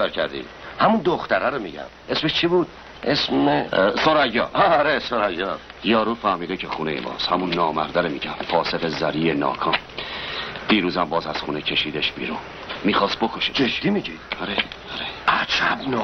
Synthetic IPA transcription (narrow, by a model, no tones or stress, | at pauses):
eɾkʰæɾd̪ḭː | hæmund̪oxt̪æɾæɾomiɟæ̰m | esmeʃt͡ʃʰibuːd̪ | ʔesesoɾæjɒːɾesoɾæjɒ | jɒːɾuːfæhmiːd̪ekʰexuːnejḛbɒ̰ːshæmunːɒːmæɾd̪æɾomiɟæmfɒːse̞ɣezæɾiːjenɒ̰ːkʰɒːm | d̪̥iːɾuːzæmbɒːzæz̥xuːnecʰe̞ʃiːd̪eʃbḭːɾu | mːiːxɒːs̚bokʰoʃe̥eʃd̪imiɟid̥̪aɾeaɾeæt͡ʃʰæbn